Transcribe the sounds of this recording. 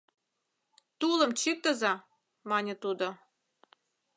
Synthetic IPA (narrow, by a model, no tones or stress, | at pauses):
t̪ulɤ̆mt͡ɕik̚t̪ə̆zɑ | mɑnʲə̆t̪ud̪o